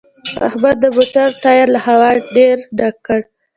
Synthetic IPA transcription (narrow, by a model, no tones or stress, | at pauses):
a̰hbad̪̚ːəbʊʈaɾt̪ɑjɪɾlahawɑɖeɾɖakːəɽ